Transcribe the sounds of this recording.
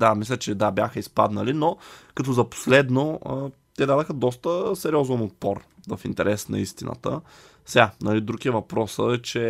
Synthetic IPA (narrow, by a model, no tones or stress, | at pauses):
d̪amislʲət͡ʃɛd̪abjaxəispad̪nəlinokɐt̪ɔzɐpo̥slɛd̪noə | t̪ɛd̪ad̪əxəd̪ɔst̪əsɛɾʲiɔzɛnot̪̚pɔɾ | vɐfint̪ɛɾʔɛsnɐ̰ist̪inə̰t̪ə̰ | sɛɡanɐlid̪ɾukiəvɐpɾɔsəɛt͡ʃɛ